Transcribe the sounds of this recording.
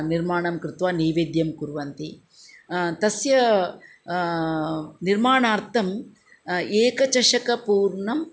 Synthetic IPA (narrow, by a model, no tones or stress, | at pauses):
niɾmaːɳɐmkɾɪt̪ʋaːniːʋeːd̪jɐmkuɾʋɐnt̪i | t̪ɐsjɐ | niɾmaːɳaːɾt̪ʰɐm | eːkɐt͡ʃɐʂɐkɐpuːɾɳɐm